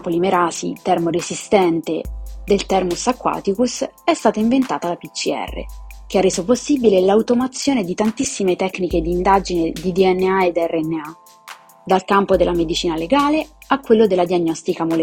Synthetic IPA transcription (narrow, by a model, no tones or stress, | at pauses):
polimeɾaːsḭt̪ɛrmoɾezist̪ɛnt̪ed̪elt̪ɛrmusakːwa̰ːt̪ikusɛst̪aːt̪aiɱvent̪aːt̪alapit͡ʃːiɛ̰rːḛk̟earːeːzoposːibilelauwt̪omat̪sːjoːned̪it̪ant̪isːimet̪ɛkːniked̪iːnd̪ad͡ʒined̪id̪iɛnːeaed̪ːɛrːeɛnːea | d̪alkampod̪elːamed̪it͡ʃiːnaleɡaːleakːwelːod̪elːad̪iaɲːɔst̪ikamol